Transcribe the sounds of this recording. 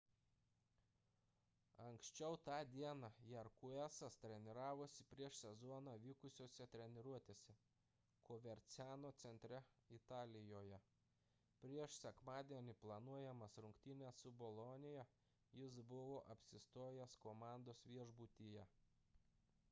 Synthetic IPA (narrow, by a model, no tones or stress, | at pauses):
ɐŋksʲt͡ʃʲɛʊt̪ɑːd̪ʲiɛnɑjɛɾkʊɛsɐst̪ʲɾʲɛnʲɪɾɑːʋoːsʲɪpʲɾʲiɛʃsʲɛzɔnɑʋʲiːkʊsʲoːsʲɛt̪ʲɾʲɛnʲɪɾuɔt̪ʲeːsʲɛ | koːʋʲɛɾʲt̪sʲæːnoːt̪sʲɛnʲt̪ʲɾʲɛɪt̪ɑːlʲɪjoːjɛ | pʲɾʲiɛʃsʲɛkmɑːd̪ʲiɛnʲɪplˠɐnuɔjɛmɐsɾʊŋkt̪ʲiːnʲɛssʊbolˠɔnʲɪjɛ | jɪsbʊʋoːʔɐpʲsʲɪst̪oːjɛskoːmɑˑnd̪oːsʋʲiɛʒbut̪ʲiːjɛ